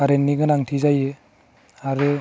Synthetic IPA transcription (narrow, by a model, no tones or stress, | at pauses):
aɾenːiɡɯnaŋtʰizaje | aɾɯ